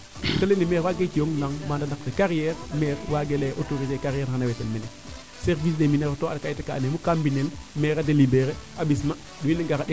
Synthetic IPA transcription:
telenimeɾwaːɡet͡ʃijoŋlaŋmaːndanak̚tekaɾijɛɾmeɾwaɡeleʔotoɾizekaɾjɛɾhanawetelmene | seɾvis̬demineɾotoadkaiteka̰nemukambinelmeɾadelibeɾeabis̬ma | ɗiwineɡaɾaɗe

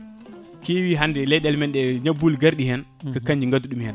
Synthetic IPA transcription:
kiwiɦandɛlɛɗɛlmɛnɗɛɲabulɡaɾɗihɛn | kakaɲd͡ʒiŋɡaduɗumhɛn

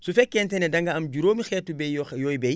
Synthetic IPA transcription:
sufɛkːɛːntɛnɛdɐŋɡɐɐmɟuɾoːmixɛːtːubɛjɔjbɛj

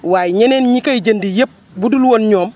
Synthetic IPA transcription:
waːjɲenenɲikɐjid͡ʒɐndijep̚ | budulwonɲoːm

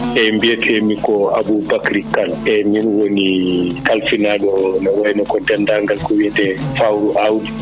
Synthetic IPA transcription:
ʔɛmbiɛtʰɛmikɔa̰bubakɾikːalɛminwonikalfinaɗɔnɔwajnɔkɔdɛndaŋɡalkɔwiɛtɛfawɾuʔawdi

